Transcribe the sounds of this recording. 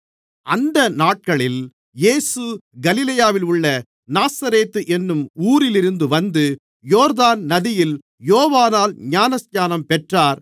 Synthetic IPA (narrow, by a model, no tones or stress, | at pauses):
ʔɐnd̪ɐnaːʈ̚kɐɭɪl | jeːsɯɡɐlɪlɐjaːʋɪlʊɭːɐ | naːsɐɾeːt̪ːɯʔɛnːɯmuːɾɪlɪɾɯnd̪ɯʋɐnd̪ɯ | joːɾðaːnnɐðɪjɪl | joːʋaːnaːlɲaːnɐsɲaːnɐmpɛʈraːɾ